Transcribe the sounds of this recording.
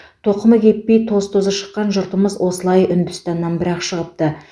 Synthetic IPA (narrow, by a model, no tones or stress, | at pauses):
t̪ʰo̞qəməkʲʰe̞t̪̚pejt̪ʰo̞zt̪ʰo̞zəʃə̥qːɑnʒʊɾt̪əməzwo̞səlˠɑjʏnd̪ʏst̪ɑnːɑnbɪɾɑqʃəʁəp̚t̪ə